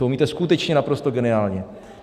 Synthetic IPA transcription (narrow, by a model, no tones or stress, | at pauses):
owmiːt̪ɛskut̪ɛt͡ʃɲɛnapɾo̞st̪oɡɛnɪaːlɲɛ